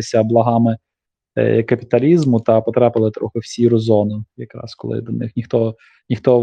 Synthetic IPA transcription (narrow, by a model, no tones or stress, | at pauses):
ɪsʲɐblˠɐɦɑmɪ̰ | kɐpʲit̪ɐlʲizmʊt̪ɐpɔt̪ɾɑpɪlˠɪt̪ɾɔ̰xɪwsʲiɾɔzɔnʊjɐkɾɑ̰skɔlˠɪ̰d̪ɐnɪ̰xnʲixt̪ɔ | nʲixt̪ɔ